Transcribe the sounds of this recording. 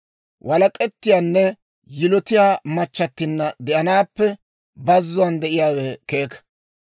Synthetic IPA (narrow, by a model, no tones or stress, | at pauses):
wʔɐlɐkʼɛt̪ːɪjaːnːɛ | jɪlɔt̪ɪjaːmɐt͡ʃːɐt̪ːɪnːɐd̪ɛʔɐnaːpːɛ | bɐzːʊwɐnd̪ɛʔɪjaːwɛkeːkɐ̥